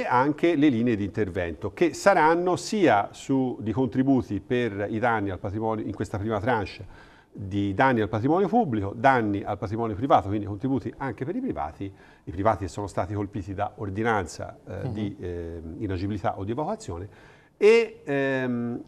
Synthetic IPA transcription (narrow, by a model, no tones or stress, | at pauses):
eaŋkeleliːneed̪int̪ervɛnt̪ok̟esːaɾanːosiːasud̪ikont̪ɾibuːt̪iperid̪anːialpat̪ɾimɔːnjoiŋkwest̪apɾiːmat̪ɾant͡ʃːa | d̪id̪anːialpat̪ɾimɔːnjopubːlikod̪anːiʔalpat̪ɾimɔːnjopɾivaːt̪okwind̪ikont̪ɾibuːt̪iaŋkepeɾipɾiva̰ːt̪iː | pɾivaːt̪iesːoːnost̪aːt̪ikolpiːt̪id̪aord̪inant̪sa̰d̪iː | nad͡ʒibilit̪a̰ʔod̪ːievakwat̪sːjoːne | e